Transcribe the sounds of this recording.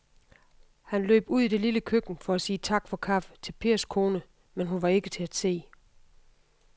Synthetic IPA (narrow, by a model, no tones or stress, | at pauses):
hænlø̰ːb̥uð̰ˠid̥e̝liləkʰøɡ̥n̩fɒ̽æsiːt͡sʰɑ̈ɡ̥fɒ̽kʰɑ̈ft͡sʰe̝lpʰe̝ːɐskʰo̝ːnə | menɦunʋɑ̈e̝ɡ̥ət͡sʰe̝æd̥se̝̰ː